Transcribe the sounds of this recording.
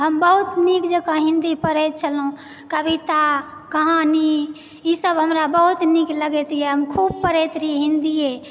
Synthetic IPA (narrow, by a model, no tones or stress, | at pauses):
ɦəmbəɦut̪nikd͡ʒəkə̃ɦĩnd̪ipəɾɛt̪̚t͡ʃʰəlɦũ | kəbit̪a | kəɦani | isəbɦəmɾabəɦut̪nikləɡɛt̪ijeɦəmkʰub̚pəɾɛt̪ɾiɦĩnd̪ie